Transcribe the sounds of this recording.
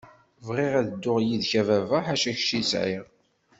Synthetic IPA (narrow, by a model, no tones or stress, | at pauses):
vʁiʁæðəd̪ːʊʁjiðçævævæħaʃæç̥ʃisʕɪ̰ʁ